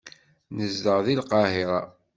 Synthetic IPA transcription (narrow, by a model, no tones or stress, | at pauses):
nəzd̪əʁðilqɑhiɾˤɑ